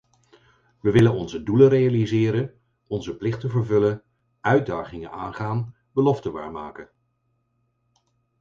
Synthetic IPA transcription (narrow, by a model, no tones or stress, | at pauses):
ʋəʋɪlənɔnzədulərejalizɪːɾən | ɔnzəplɪχtənvəɹvɵlən | œɥ̚daːχɪŋənaːnχaːn | bəlɔftəʋa̰ːɹmaːkən